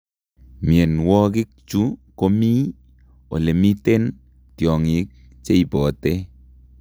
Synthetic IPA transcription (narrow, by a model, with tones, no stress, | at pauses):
mjɛ˨nwɔ˦kɪ˦k̚t͡ʃu˦ko˦mi˦ | o̰˨le˨mi˦te˦n | tjɔ˨ŋi˨˦k̚ | t͡ʃe˦i˨bɔ˨te